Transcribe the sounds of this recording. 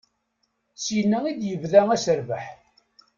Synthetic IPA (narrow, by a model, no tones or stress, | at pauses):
sjənːæid̪jəvðæŋæsəɾvəħ